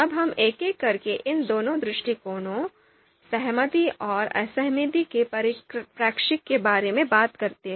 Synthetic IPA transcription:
ɐbɦɐmeːkeːkːɐɾkeʔɪnd̪oːnõd̪ɾɪʃʈikoːnõ | sɐɦmət̪iɔːɾɐ̰səɦmɪd̪ikepɾpɾaːkʃɪkːebaːɾemẽbaːt̪kɐɾt̪eɦɛ̃

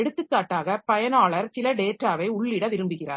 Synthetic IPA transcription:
ɛɽɯt̪ːɯkːaːʈːaːɣɐpɐjɐnaːɭɐɾsɪlɐɖeːʈːɾaːʋɐɪʊɭːɪɽɐʋɪɾɯmbɯɣɪra̰ːɾ

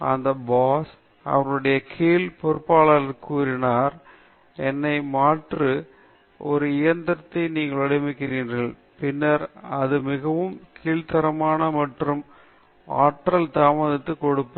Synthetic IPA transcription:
ɐ̰nd̪ɐbaːs | ɐ̰ʋɐŋɡɯɽɐjɐkʰiːlpɔɾɯpːaːɭɐlɪɾkuːɾɪnaːɾ | ɛnːɐɪmaːʈrɯ | ɔɾɯɪjɐnd̪ɐɾt̪ːɐɪniːŋɡɐɭɐɽɪmɪkːɪɾiːnɣɐɭ | pɪnːɐɾɐðɯmɪɣɐʋɯmkʰiːlt̪ɐɾɐmaːnɐmɐʈrɯm | aːʈɾɐlt̪aːmɐðɪt̪ːɯkɔɽɯpːɯ

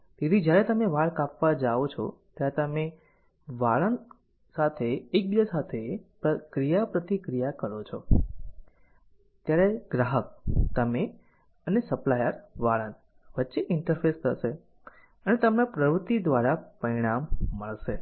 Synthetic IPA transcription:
t̪et̪id͡ʒjaɾet̪əmeʋaɽkapʋad͡ʒaʋot͡ʃʰɔ̰t̪jaɾet̪əme | ʋaɭən | sat̪ʰeːk̚bid̪asat̪ʰepəkɾijapɾət̪ikɾijakəɾot͡ʃʰɔ | t̪jaɾeɡɾaɦək̚t̪əme | ənesəplajəɾʋaɭən | ʋətːʃeʔɪɳʈəɾfʰest̪ʰəʃe | ənet̪əmnapɾəʋɾət̪id̪ʋaɾapəɾiɽ̃amːəɭʃe

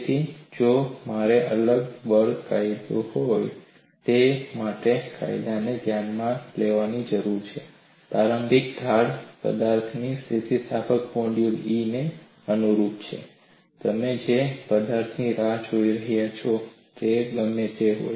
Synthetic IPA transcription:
t̪ʰid͡ʒomaɾeʔələɡʋəɾkajd̪ohoj | t̪emaʈeka̰jd̪aned̪ʱjanmãleʋanid͡ʒəɾuɾt͡ʃʰe | pɾaɾəmbʱik̚d̪ʱaɽpə̰d̪aɾt̪ʰnisit̪isapʰəkpoɳɖjuline | ənuɾup̪t͡ʃʰḛ | t̪əmed͡ʒepəd̪aɾt̪ʰniɾad͡ʒoiɾəɦjat͡ʃʰɔ | t̪eɡəmːet̪eɦo̰j

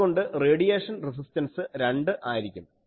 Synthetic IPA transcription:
ɣo̞ɳɖɨreːɽijeːʂɐnres̬istɐnsɨɾeɳɖɨʔaːjiɾikʲːum

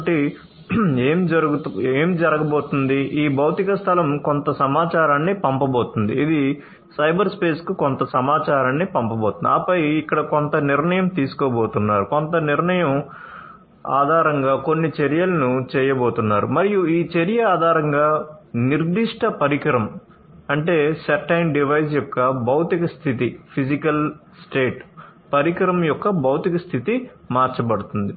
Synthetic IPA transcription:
ʈi | eːmd͡ʒɐɡueːmd͡ʒɐɾɐɡɐboːt̪und̪iʔiːbɐwt̪ikɐst̪ʰɐlɐmko̞nt̪ɐsɐmaːt͡ʃaːɾaːnːipɐmpɐboːt̪und̪ḭːd̪i | sɐjbɐɾspe̞ːskukont̪ɐsɐmaːt͡ʃaːɾaːnːipɐmpɐboːt̪und̪iaːpɐjikːɐɽɐkont̪ɐniɾɳɐjɐmt̪iːsu̥kɔːboːt̪unːaːɾuko̞nt̪ɐniɾɳɐjɐm | a̰ːd̪ʱaːɾɐŋɡaːko̞nːit͡ʃeɾijɐlɐnut͡ʃɛːjɐboːt̪unːaːɾumɐɾijuiːt͡ʃeɾijɐaːd̪ʱaːɾɐŋɡaːniɾd̪iʂʈɐpɐɾikɐɾɐm | ɐɳʈe̞ːsɐʈːɐjmɖiʋɐjs̬jɔkːɐbɐwt̪ikɐst̪ʰit̪ipʰisikɐlsʈeːʈpɐɾikɐɾɐmjɔkːɐbɐwt̪ikɐst̪ʰit̪i | maːɾt͡ʃɐpɐɽut̪und̪i

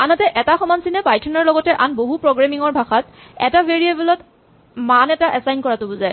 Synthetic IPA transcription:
anatɛʔɛtaxɔmansinɛpajtʰɔnɔɹlɔɡɔtɛʔanboɦupɹoɡɹamiŋɔɹbʱaxat | ɛ̰tabʱeɹiebɛlɔt | manɛtaʔɛsajnkɔɹatʊbuzaj

